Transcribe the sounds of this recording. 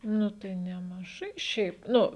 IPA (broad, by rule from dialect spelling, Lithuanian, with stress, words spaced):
ˈnʊ tɐɪ nʲɛmɐˈʒɐɪ ˈʃʲɛɪp ˈnʊ